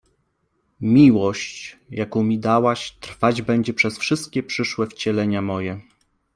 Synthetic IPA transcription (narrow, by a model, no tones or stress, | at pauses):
mʲiwɔɕt͡ɕjakɔ̃w̃mʲid̪awaɕt̪ɾfad͡ʑbɛɲd͡ʑɛpʂɛsfʂɘst̪̚kʲɛpʂɘʂwɛft͡ɕɛlɛɲamɔjɛ